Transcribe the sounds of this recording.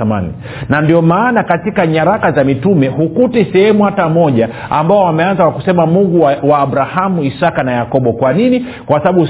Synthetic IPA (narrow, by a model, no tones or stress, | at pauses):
ama̰nḭ | nandiɔmaːnakatikaɲaɾakazamitumɛɦukutisɛhɛmuhatamɔʄa | ambaɔamɛanzakwakusɛmamuŋɡuwaːɓɾahamuisakanajakɔɓɔkwanini | kwasaɓaɓu